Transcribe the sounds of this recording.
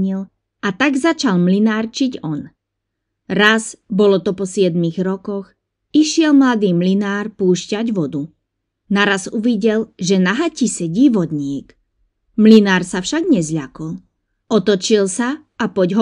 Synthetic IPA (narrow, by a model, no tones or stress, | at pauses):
ɲil | ʔat̪aɡzat͡ʃalmlinaːrt͡ʃiɟɔn | ɾazbɔlɔt̪ɔpɔsɪɛd̪miɣɾɔkɔx | iʃɪɛlmlad̪iːmlinaːɾpuːʃcaɟʋɔd̪u | naɾazuʋiɟɛlʒɛnaɦacisɛɟiːʋɔd̪ɲɪɛk | mlinaːɾsafʃaɡɲɛzʎa̰kɔl | ɔt̪ɔt͡ʃilsa | apɔɟɦɔ